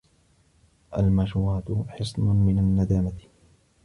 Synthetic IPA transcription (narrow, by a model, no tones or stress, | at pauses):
ʔa̰lmaʃuːaːt̪ʊħɨsˤnʊmɪnanːad̪aːmat̪